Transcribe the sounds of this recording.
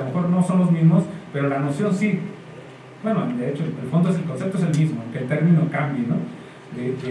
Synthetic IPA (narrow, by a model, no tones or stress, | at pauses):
mexo̞ɾno̞so̞nlo̞zmizmospe̞ɾo̞lanosjo̞nsi | bwenod̪eet͡ʃoelfo̞nd̪oes̬elko̞nse̞p̚t̪oes̬elmizmokelt̪e̞ɾmĩno̞kambjeno | d̪ede